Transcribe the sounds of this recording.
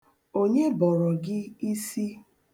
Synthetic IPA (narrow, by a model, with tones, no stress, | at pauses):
o˦ɲe˦bɔ˨ɾɔ˨ɡɪ˦i˦si˦